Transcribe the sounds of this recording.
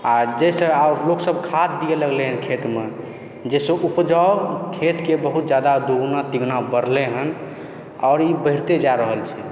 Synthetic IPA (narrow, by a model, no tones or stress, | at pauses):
ad͡ʒesəaɾloksəb̚kʰat̪d̪ijeləɡleɦənkʰet̪me | d͡ʒesə̃ʔupd͡ʒaokʰet̪kebəɦut̪̚d͡ʒjad̪ad̪oɡnat̪iɡnabəɾ̤leɦən | ɔɾibəɦɪɾt̪ed͡ʒaɾəɦəlt͡ʃʰɛ